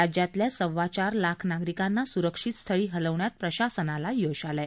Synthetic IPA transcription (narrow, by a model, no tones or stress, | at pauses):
ad͡ʑjat̪ljasəʋːat͡ɕaɾlakʰnaɡɾikanːasuɾəkʂit̪st̪ʰəɭiːɦələʋɳjat̪̚pɾəɕasənalajoɕaləj